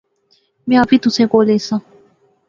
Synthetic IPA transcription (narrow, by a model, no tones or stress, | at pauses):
mẽapit̪usẽkolesã